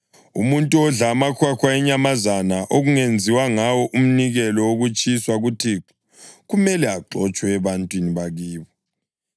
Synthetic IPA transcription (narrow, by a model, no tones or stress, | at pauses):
ṵmuntʼuɔɮamakʰwakʰwaɛɲamazanaʔoɣuŋend͡zʱiwaŋawɔʔum̩niɣɛlɔwoɣut͡ʃʼiswaɣutʰi | ɣumɛlɛaǃɔt͡ʃʼwɛːβantʼwiniβaɣiːβɔ